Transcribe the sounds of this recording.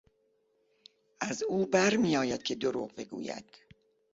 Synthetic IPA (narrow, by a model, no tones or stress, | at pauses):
ʔæzuːbæɾmijɒːjæd̪̥̚cʰe̞d̪oɾṵːʁbe̞ɡṵːjæ̰d̪̥